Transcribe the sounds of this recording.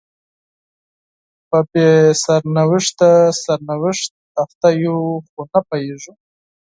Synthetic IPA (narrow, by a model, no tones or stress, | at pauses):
papesaɾnawɪʂt̪asaɾnawɪʂt̪̚aft̪ajuxunapajeʐu